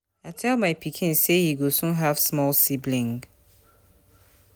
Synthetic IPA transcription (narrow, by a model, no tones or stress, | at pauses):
aɪtʰɛlˠmaɪpʰikʰĩnsehiɡosũnɦav̥smɔlˠsiblĩŋɡ